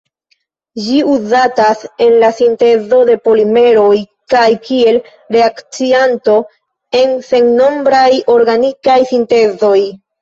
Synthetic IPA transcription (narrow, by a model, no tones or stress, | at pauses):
d͡ʒiuzatase̞nlasinte̞zo̞de̞po̞lime̞ɾo̞j | kajkie̞l | ɾe̞akt͡sianto̞ | e̞nse̞ŋno̞mbɾajo̞ɾɡanikajsinte̞zo̞j